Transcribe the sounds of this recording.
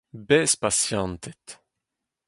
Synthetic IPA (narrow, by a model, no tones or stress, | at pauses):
bɛspasjɑ̃nt̪ɛt̪